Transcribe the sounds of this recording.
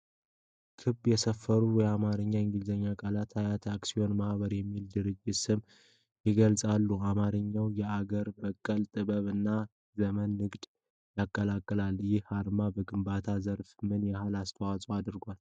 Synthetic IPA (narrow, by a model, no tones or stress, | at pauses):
kʰɨbjɛsəfːəɾujɛamaɾɨɲːaɪŋɡɨlzəɲːakʼalat̪ʰajat̪ʰaksio̞nmahβəɾjɛmːild̪ɨɾɨd͡ʒːɪt̪sɨm | jɪɡəlsʼalːuamaɾɨɲːawjɛaɡəɾbəkʼːəlt̪ʼɨβəβɨnːa | zəmənːɨɡd̪ | jakʼːəlakʼːəlaljɪhaɾmabəɡɨmbat̪ʰazəɾfmɨnjɛhalast̪ʰəwat͡sʼoad̪ɨɾɡʷal